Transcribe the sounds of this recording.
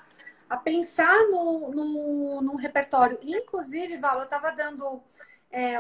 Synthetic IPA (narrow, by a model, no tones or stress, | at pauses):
apẽsanʊ̃nʊ̃nũɦepeɾt̪ɔɾjʊʔiĩkluzivɪvawewt̪avɐd̪ɐ̃nd̪ʊ | ɛ